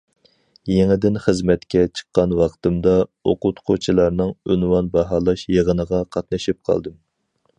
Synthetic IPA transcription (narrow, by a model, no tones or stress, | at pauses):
jeŋɪd̪ɪnχəzmɛt̪kʲɛt͡ʃʰə̥qːɑnwɑqt̪ɨmd̪ɑoqʊt̪qʰot͡ʃʰilˠɑɾnɨŋynwɑnbɑɦɑːlˠɑʃjeʁənəʁɑqʰɑt̪̚nɨʃip̚qʰɑ̰lˠd̪ɨm